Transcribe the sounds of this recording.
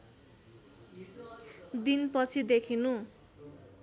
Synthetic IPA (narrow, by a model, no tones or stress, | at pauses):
d̪inpʌt͡sʰid̪ekʰinu